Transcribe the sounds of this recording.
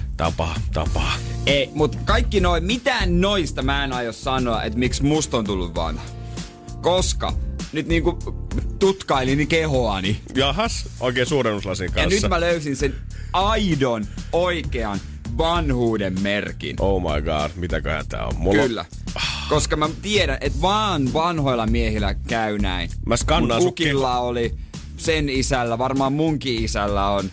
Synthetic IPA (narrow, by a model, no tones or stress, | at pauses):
t̪ɑ̰pɑːt̪ɑ̰pɑːeimut̪kɑikːinoimit̪æːnnoist̪ɑmæːenɑjossɑnoɑʔḛt̪miksmust̪ont̪ulːuʋʋɑ̰nhɑ | koskɑ̰nyt̪niːŋkut̪ut̪kɑilinkehoɑni | jɑhɑsʔoikeːsuːɾenuslɑsiŋkɑɑnyt̪ːmæløysinsen | ɑidonoikeɑn | ʋɑnhuːdemmerkḭnʔoumɑ̰iɡɑ̰ːdmit̪ækøhæ̰nt̪æ̰ːo̰mmuklːæ̰ | koskɑmæt̪ieɾænʔet̪ʋɑːnʋɑnhojlːɑmiehilæ̰kæynæinmæskɑnːɑːsukilːɑoli | senisælːæʋɑrmɑːmmuŋkiisælːæon